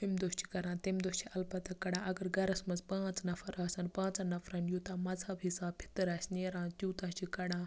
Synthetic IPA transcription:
ɦemd̪oːʃt͡ʃi̥kɐɾãːt̪emd̪oːʃt͡ʃʰiʔɐlpɐt̪ɐkːɐɽãːʔɐɡɐɾɡɐɾɐsmɐzpãːt͡snɐfʰɐɾaːsanpãːt͡sãnɐfʰɾanjut̪ãːmɐd͡zʱabʱisaːbpʰi̥t̪ɐɾaːsʲneːɾãːt̪ʲuːt̪ãːt͡ʃikɐɽãː

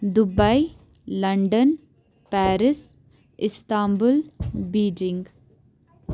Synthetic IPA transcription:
d̪ʊbai | lɐɳɖən | pɛːɾɪs | ɪst̪aːmbʊlbiːɖɪ̃ŋɡ

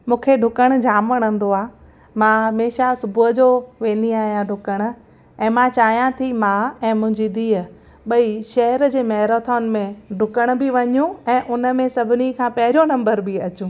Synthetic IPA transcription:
mũːkʰeɖʱʊkəɽ̃ʊd͡ʑʱaːmʋɐɽ̃ə̃nd̪oaː | mãɦɐmeːʃasʊbʱʊɦəd͡ʑoʋẽːn̆d̪iaːɦijãɖʱʊkəɽ̃̆ | ɛ̃ːmãt͡ɕaːɦijãt̪ʰimãɛ̃ːmʊ̃ɦɪ̃ɲd͡ʑid̪iːɦə | ɓɐiʃɐɦəɾd͡ʑeːmɐɦɾot̪ʰɔːnmẽɖʱʊkəɽ̃bɪʋɐɲũɛ̃ːʔʊnəmẽsɐbʱɪnikʰãːpɐɦɪɾijonɐ̃mbəɾbɪɐt͡ɕũː

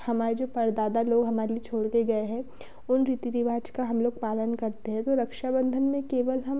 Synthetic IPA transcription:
hɐmaːɾed͡ʒoːpɐɾd̪aːd̪aloːɡɦɐmaːɾeliet͡ʃʰoːɽkeɡɐeɦɛ̃ | ʊnɾiːt̪iɾiʋaːd͡ʒkaɦɐmloːɡ̚paːlənkɐɾt̪eɦɛ̃t̪oɾɐkʃabə̃nd̪ʱənmẽkeːʋəlɦɐm

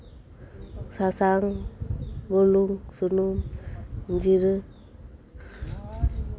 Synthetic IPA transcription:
sasaŋ | bɔluŋsunumnd͡ʒiɾɯ

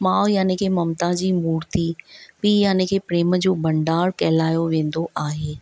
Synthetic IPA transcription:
mãːʋjaːnɪkʰeːmɐmt̪ad͡ʑiːmuːɾt̪ipiːjaːnɪkʰeːpɾeːmə̆d͡ʑoːbɐ̃ɳɖaːɽkɐɦɪlaːjoʋẽːnd̪oʔaːɦeː

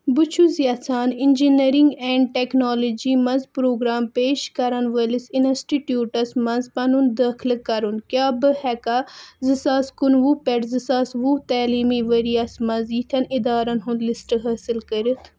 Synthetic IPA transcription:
but͡ʃʰuzjɐt͡sʰaːnɪnd͡ʒiniɾiŋɡɛ̃ːɳɖ̚ʈɛknoːlod͡ʒimɐnzpɾoːɡɾaːmpeːʃkɐɾɐnʋəlisinɐsʈiʈjuːʈɐsmɐnzpɐnund̪ɐkʰlkɐɾunkjaːbɨhɛkazɨsaːskunʋupɛʈzɨsaːsʋut̪aːliːmiʋəɾijasmɐziːt̪ʰɐnid̪aːɾɐnɦũnd̪lisʈɨɦɐːsɨlkəɾit̪ʰ

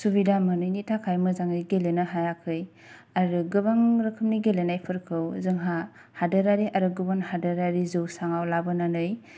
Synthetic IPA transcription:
subidamɯnɯjnitʰakʰajmɯzaŋɯjɡelenaɦajakʰɯj | aɾɯɡɯbaŋɾɯkʰɯmniɡelenajpʰɯɾkʰɯwzɯŋɦa | hadɯɾaɾiʔaɾɯɡɯbɯnhadɯɾaɾizɯwsaŋawlabɯnanɯj

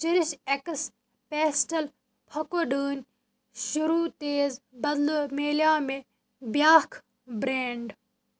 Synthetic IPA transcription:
t͡ʃɪɾɪʃekəs | peːsʈɐl | pʰɐkoːɖəːnʲ | ʃʊɾuːt̪eːzbɐd̪lomeːljaːme | bjaːkʰ | bɾeːɳɖ

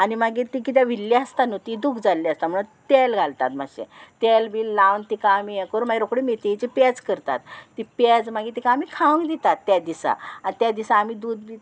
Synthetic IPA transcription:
animaɡiːt̪ikit̪̬jaʋilːaəst̪anot̪id̪ukʰd͡zalːiast̪am̤əɽɭut̪elɡʱalt̪at̪ma̰ɕḛt̪elbiːllaʋnt̪ikãːmiekəɾunmaɡiɾokɽimet̪eit͡ɕipɛt͡skəɾt̪a̰t̪ːipɛd͡zmaɡiːt̪ikãːmiːkʰaʋə̃ŋɡd̪it̪at̪ːjad̪isa̰at̪jad̪isãːmiːd̪ud̪bi

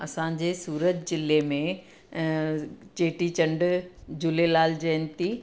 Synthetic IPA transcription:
ɐsãːd͡ʑeːsuːɾətd͡ʑɪlemẽ | t͡ɕeːʈit͡ɕɐ̃ɳɖd͡ʑʊlelaːld͡ʑeːnt̪iː

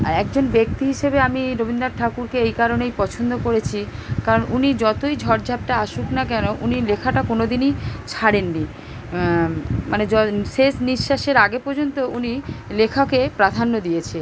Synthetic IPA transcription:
ɛk̚d͡ʑonbek̚t̪iɦiʃebeamiɾobʱind̪aɾʈʰakuɾkeejkaɾonejpɔt͡ɕʰond̪okoɾet͡ɕʰikaɾonunid͡ʑɔt̪ojd͡ʑʱɔɾd͡ʑʱab̚ʈaaʃuknakɛnoʔunilekʰaʈakonod̪init͡ɕʰaɽenːi | maned͡ʑɔʃeʃniʃːaʃeɾaɡepɔɾd͡ʑont̪ounilekʰakepɾad̪ʱanːod̪ijet͡ɕʰe

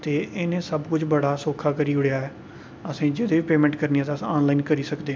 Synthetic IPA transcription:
t̪eːʔɪnẽːsəbkʊt͡ʃbəɽaːsoːkʰaːkəɾiːɦʊɽejaːɛː | əsĩːd͡ʒɪd̪eːʋiːpeːmɛ̃ːɳʈkəɾniãːt̪ːsaːnlaːinkəɾiːsəkd̪eː

